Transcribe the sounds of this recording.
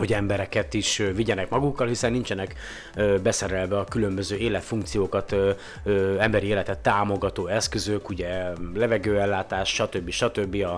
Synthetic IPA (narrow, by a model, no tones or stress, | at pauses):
ho̞ɟɛmbɛɾɛkɛt̪iʃviɟɛnɛkmɒɡukːɒlhisɛnːint͡ʃɛnɛk | øbɛsɛɾɛlvɛɒkylømbøzøːeːlɛt̪fuŋk̚t̪sijoːkɒt̪ː | ɛmbɛɾieːlɛt̪ɛt̪ːaːmo̞ɡɒt̪oːɛskø̞zøkuɟɛlɛvɛɡøːɛlːaːt̪aːʃʃɒt̪øbːiʃɒt̪øbːiɒ